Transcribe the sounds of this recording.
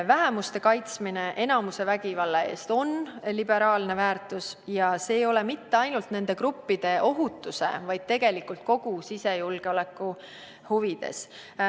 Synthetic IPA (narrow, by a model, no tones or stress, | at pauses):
væɦe̞must̪e̞kɑjt̪smine̞ʔe̞nɑmuse̞væɡ̥ivɑlːee̞̰ːst̪o̞nlib̥e̞ɾɑːlne̞væːrt̪usjɑse̞ːjo̞le̞mit̪ːe̞ɑjnult̪ne̞nd̪e̞kɾupːid̪̥e̞ʔo̞ɦut̪ːˑuse̞̰vɑjd̪̥̚t̪e̞ɡe̞likult̪̚ko̞ɡ̥usise̞julɡ̥e̞o̞le̞kːˑu | huvid̪̥e̞̰s